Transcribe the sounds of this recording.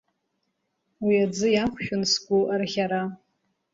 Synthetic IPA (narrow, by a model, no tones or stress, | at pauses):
wiad͡zɨjaχʷʃᶣʊnsɡʷuʔarχʲaɾa